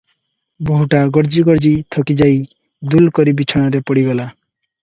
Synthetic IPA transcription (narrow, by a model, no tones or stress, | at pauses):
boɦuʈaɡɔɾd͡ʒiɡɔɾd͡ʑit̪ʰɔkid͡ʒaj | d̪ulkɔɾibit͡ʃʰɔɽ̃aɾepɔɽiɡɔla